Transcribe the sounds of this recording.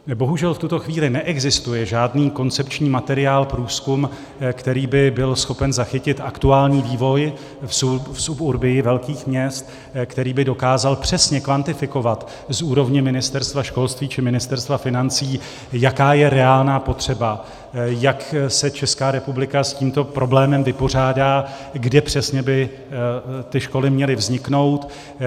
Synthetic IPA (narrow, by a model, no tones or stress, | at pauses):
bo̞ɦuʒɛlft̪ut̪oxviːlɪnɛʔɛɡzɪst̪ujɛʒaːdniːko̞nt͡sɛpt͡ʃɲiːmat̪ɛɾɪaːlpɾuːskum | kt̪ɛɾiːbɪbɪlsxo̞pɛnzaxɪcɪt̪ʔakt̪uaːlɲiːviːvo̞j | sufsupuɾbɪjɪvɛlkiːxmɲɛst̪ | kt̪ɛɾiːbɪdo̞kaːzalpr̝̥ɛsɲɛkvant̪ɪfɪko̞vat̪ | zuːɾo̞vɲɛmɪnɪst̪ɛɾst̪vaʃko̞lst̪viːt͡ʃɪmɪnɪst̪ɛɾst̪vafɪnant͡siː | jakaːjɛɾɛaːlnaːpo̞t̪r̝̥ɛba | jaksɛt͡ʃɛskaːɾɛpublɪkasciːmt̪o̞pɾo̞blɛːmɛmvɪpo̞r̝aːdaː | ɡdɛpr̝̥ɛsɲɛbɪ | t̪ɪʃko̞lɪmɲɛlɪvzɲɪkno̞wt̪